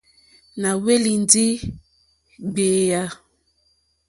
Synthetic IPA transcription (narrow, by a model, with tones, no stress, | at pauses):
na˨we˦li˨ndi˦ | ɡ͡beː˨ja˦